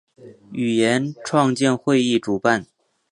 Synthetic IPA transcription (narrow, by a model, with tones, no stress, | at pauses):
y˨˩jɛ˧˥nʈ͡ʂʰwɑ˥˧ŋt͡ɕjɛ˥˧nxwe˥˧ɪi˥˩ʈ͡ʂu˨˩pa˥˩n